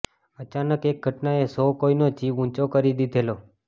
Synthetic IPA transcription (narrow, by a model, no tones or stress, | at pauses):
ət͡ʃanəkek̚ɡʱəʈnaesokoinot͡ʃiʋũt͡ʃokəɾid̪id̪ʱelo